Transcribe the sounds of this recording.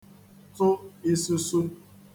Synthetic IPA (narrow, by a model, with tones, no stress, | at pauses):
tʊ˦i˦su˦su˦